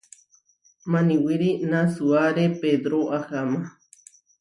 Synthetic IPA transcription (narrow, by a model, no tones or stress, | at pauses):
mãnĩwiɾinasuaɾeped̪ɾoʔahama